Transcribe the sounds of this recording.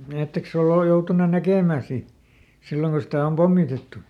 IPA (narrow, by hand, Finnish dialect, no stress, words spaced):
etːeks oː ol joutunen nækeˑmæˑ si silːoŋ ku sitæ om pomːitetːu